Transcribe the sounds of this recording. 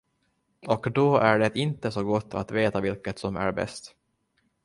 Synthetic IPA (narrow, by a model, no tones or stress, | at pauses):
ɔkd̪ɔæɖɛt̪ɪnt̪əsɔɡɔt̪ʰːa̰t̪veːt̪avɪlkət̪sɔmæ̰ɾbɛ̰st̪